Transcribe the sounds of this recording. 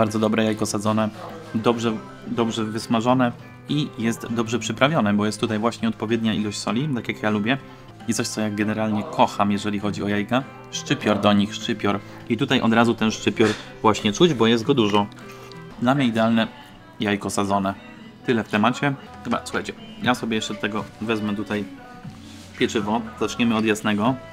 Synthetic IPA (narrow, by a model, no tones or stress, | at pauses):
baɾd̪zɔd̪ɔbɾɛjajkɔsad̪zɔnɛd̪ɔbʐɛ | d̪ɔbʐɛvɘsmaʐɔnɛ | ijɛst̪d̪ɔbʐɛpʂɘpɾavʲjɔnɛbɔjɛst̪ːut̪ajvwaɕɲɛɔt̪̚pɔvʲjɛd̪ɲailɔɕt͡ɕʲsɔlʲit̪akjakjalubʲjɛ | isɔɕt̪sɔjaɡɛnɛɾalɲɛkʰɔxamjɛʐɛlʲixɔd͡ʑiɔjajka | ʂt͡ʂɘpʲjɔɾd̪ɔɲixʂt͡ʂɘpʲjɔɾ | it̪ut̪ajʔɔ̰d̪ɾazut̪ɛnʂt͡ʂɘpʲjɔɾvwaɕɲɛt͡ʂud͡ʑbɔjɛst̪̚ɡɔd̪uʐɔ | d̪lamɲɛid̪ɛalnɛ | jajkɔsad̪zɔnɛ | t̪ɘlɛft̪ɛmat͡ɕɛ | xɘba̰suxajt͡ɕɛ | jasɔbʲjɛjɛʂt͡ʂɛd̪ɔt̪ɛɡɔvɛzmɛt̪ut̪aj | pʲjɛt͡ʂɘvɔz̥at͡ʂɲɛmɘɔd̪jasnɛɡɔ